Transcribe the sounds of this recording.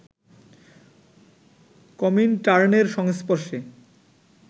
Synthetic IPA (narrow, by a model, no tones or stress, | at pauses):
kɔminʈaɾneɾʃɔŋspoɾʃe